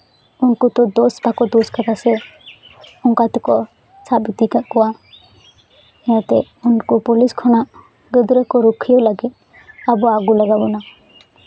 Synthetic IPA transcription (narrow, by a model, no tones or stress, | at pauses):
unkɔt̪ɔd̪ɔsbakɔd̪ɔskat̪ʰasɛ | ɔŋkat̪ɛkɔ | sabit̪ikaʔkɔwa | ɛat̪ɛ | unkɔpɔliskʰɔñaʔ | ɡəd̪ɾəkɔɾɔkʰijɔlaɡit̪̚ | abɔaɡulaɡabɔna